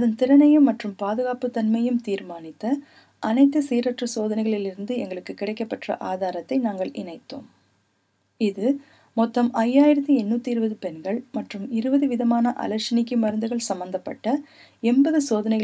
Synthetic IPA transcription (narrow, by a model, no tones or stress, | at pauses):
ɐðɐnt̪ɪɾɐnɐjɯmːɐʈrɯmpaːðɯɣaːpɯt̪ːɐnmɐjɯmt̪iːɾmaːnɪt̪ːɐ | ʔɐnɐɪt̪ːɯsiːɾɐʈrɐsoːðɐnɐɪɣɐɭɪlɪɾɯnd̪ɯɛŋɡɐɭɯkːɯkːɪɽɐɪkːɐpːɐʈrɐ̰ʔaːðaːɾɐt̪ːɐɪnaːŋɡɐɭɪɳɐɪt̪ːo̰ːm | ɪðɯ | mɔt̪ːɐmɐjːaːjɪɾɐt̪̬ːiɛnːuːt̪ːiɪɾɯbɐðɯpɛnɡɐɭmɐʈrɯmɪɾɯbɐðɯʋɪðɐmaːnɐʔɐ̰lɐɾʂɪnɪk̬ːɯmɐɾɐnd̪ɯɣɐɭsɐmbɐnd̪ɐpːɐ̰ʈːɐ | ɛmbɐðɯsoːðɐnɐɪɣ